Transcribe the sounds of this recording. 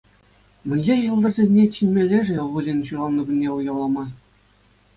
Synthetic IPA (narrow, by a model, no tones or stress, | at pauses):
mɘ̆nʲʑeʑɯlˠd̪ɤ̆rzʲenʲːet͡ɕinʲmʲelʲːeʐɘ̆ʋɯlʲinʲɕulɑnːɤɡʲɘ̆nʲːeujɑwlˠɑmɑ